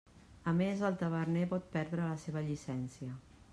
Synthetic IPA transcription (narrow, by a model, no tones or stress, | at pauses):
amezalt̪aβaɾnepɔt̪̚pɛɾðɾəlaseβaʎisɛnsja